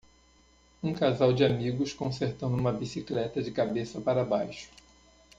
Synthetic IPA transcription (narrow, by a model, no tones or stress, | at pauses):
ũkazawd͡ʒɪamiɡʊskõseɾt̪ɐ̃nd̪uũmɐbisiklɛt̪ɐd͡ʒɪkabesɐpaɾɐbajʃʊ̥